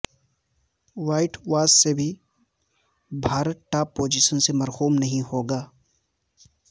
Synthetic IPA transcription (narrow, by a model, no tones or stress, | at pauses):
waːɪʈʋaːsːebʱi | bʱaːɾəʈaːpːoːd͡ʒiʃənsemɐɾxuːmnɐɦĩhoːɡaː